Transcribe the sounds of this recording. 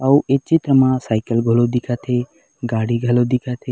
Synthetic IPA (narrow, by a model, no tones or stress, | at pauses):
auet͡ʃit̪ɾəmãsaːɪkəlɡʱolod̪ikʰat̪ʰe | ɡaːɽiɡʱɐlod̪ikʰat̪ʰe